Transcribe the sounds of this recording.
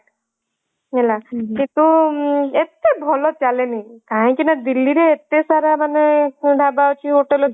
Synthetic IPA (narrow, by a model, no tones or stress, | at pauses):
ɛlakit̪uet̪ebʱɔlɔt͡ʃalenik̪ãj̃kinad̪ilːiɾeːt̪esaɾamanɛɖʱabaot͡ʃʰiɦoʈelɔ